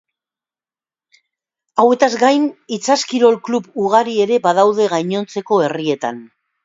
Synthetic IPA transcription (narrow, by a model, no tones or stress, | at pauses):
awe̞t̪azɡajnit͡saskiɾo̞lklupuɣaɾie̞ɾe̞bað̞awð̞e̞ɣajɲo̞nt͡se̞ko̞e̞rie̞t̪a̰n